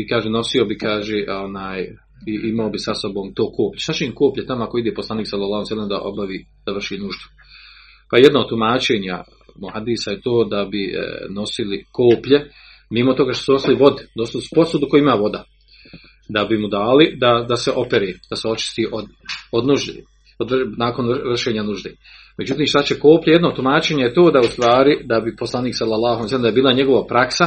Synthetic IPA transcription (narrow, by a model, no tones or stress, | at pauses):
ikaːʒeno̞sio̞bikaːʒeːʔonaːj | iʔimaobisaso̞bo̞ːmt̪oːkoːpʎeʃt̪at͡ʃeimkoːpʎet̪amoako̞id̪eːposlaːniːksalːalːˠɑːhulijslːemd̪a̰ʔo̞̰baʋiːd̪̥aʋr̩ʃiːnuʒd̪u̥ | pajed̪noːt̪ːumaːt͡ʃeːɲa̰ | muhad̪iːsajet̪oːd̪abḭno̞silikʰoːpʎe | mimo̞t̪o̞ɡaːʃt̪osuno̞siliʋo̞d̪id̪osilsu̥po̞suːd̪uko̞juimaːʋo̞d̪a | d̪abimud̪aːlid̪ad̪aseʔo̞peɾeːd̪̥aseo̞t͡ʃi̥st̪iːʔod̪od̪nuʒd̪e | od̪naːko̞nʋr̩ʃeːɲanuʒd̪eː | me̞d͡ʒut̪iːmʃt̪at͡ɕeko̞ːpʎaje̞d̪not̪umaːt͡ʃeːɲajet̪o̞ːd̪aust̪ʋaːɾid̪abipo̞slˠaniːksalːalːˠaːhalijsɛlemd̪ajbiːlaɲe̞ɡo̞ʋapɾaksa